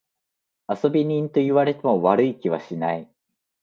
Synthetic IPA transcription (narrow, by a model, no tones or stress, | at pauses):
aso̞bʲiɲ̟ĩnt̪o̞iβaɾe̞t̪e̞mo̞βaɾɯ̟ikʲiβa̰ɕinai